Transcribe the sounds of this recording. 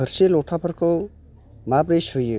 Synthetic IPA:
ɯɾselɔtʰapʰəɾkʰɯw | mapɾesujɯ

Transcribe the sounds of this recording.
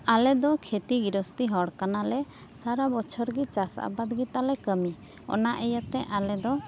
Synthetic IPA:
alɛd̪ɔkʰet̪iɡiɾɔst̪iɦɔɽkanalɛ | saɾabɔt͡ʃʰɔɾɡit͡ʃasa̰bad̪ɡit̪alɛkəmi | ɔ̰naʔɛjət̪ɛʔalɛd̪ɔ

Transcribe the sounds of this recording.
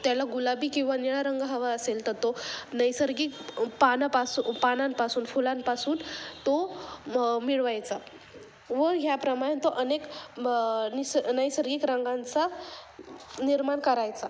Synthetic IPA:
t̪jalaɡulabiːkĩw̃ʋaniɭaɾəŋɡɦəʋaəselt̪əɾt̪onəjsəɾɡiːkpanapasupananpasuːnfulãnpasuːnt̪o | miɭʋajt͡sa | ʋəɾɦjapɾəmaɭant̪oʔənek | nisnəjsəɾɡiːkɾəŋɡãnt͡sa | niɾmaɳkəɾajt͡sa

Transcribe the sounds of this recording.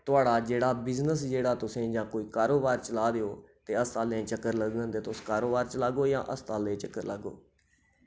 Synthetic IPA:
t̪ʊaːɽaːd͡ʒeːɽaːbɪznəsd͡ʒeːɽaːt̪ʊsẽːd͡ʒãːkoːiːkaːɾoːbaːɾt͡ʃəlaːd̪eːoːt̪eːəst̪aːlẽːt͡ʃəkːəɾləɡd̪ə̃nd̪eːt̪oskaːɾoːbaːɾt͡ʃəlaːɡoːd͡ʒã̰ːʔəst̪aːlẽːt͡ʃəkːəɾlə̰ɡo̰ː

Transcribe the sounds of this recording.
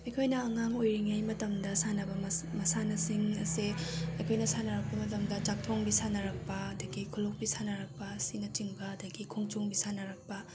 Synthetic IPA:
ɐjkʰojnɐːŋaŋojɾiŋajmɐtɐmdɐsanɐbɐmmɐsanɐsiŋɐ̰seɐjkʰojnɐsanɐɾɐk̚pɐmɐtɐmdɐt͡ʃak̚tʰoŋbisanɐɾɐk̚pɐɐdɐɡikʰulok̚bisanɐɾɐk̚pɐsinɐt͡ʃiŋbɐːdɐɡikʰoŋt͡ʃoŋbisanɐɾɐk̚pɐ

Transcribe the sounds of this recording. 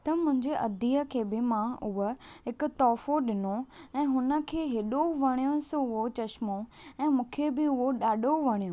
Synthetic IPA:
t̪ɐmʊ̃ɦɪ̃ɲd͡ʑeʔɐd̪iːə̆kʰeːbɪmãʊɦəɦɪkʊ̆t̪ɔːfoɗɪnoɛ̃ːɦʊnə̆kʰeːɦeɗoʋɐɽ̃ijõsʊɦot͡ɕɐʃmo | ɛ̃ːmũːkʰebɪʊɦoɗaːɗoʋɐɽ̃ijõː

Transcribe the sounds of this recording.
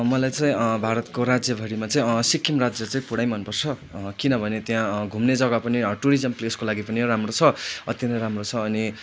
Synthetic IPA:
mʌlajt͡sʌĩbʱaɾʌt̪koɾad͡zjʌbʱʌɾimat͡sʌĩsikʰːimrad͡zjʌt͡saĩpuɽajmʌnpʌrt͡sʰʌkinʌbʱʌnet̪jãɡʱumned͡zʌɡapʌniʈuɾizʌmpleskolaɡipʌniramrot͡sʰʌʌt̪jʌnɾamrot͡sʰʌːni

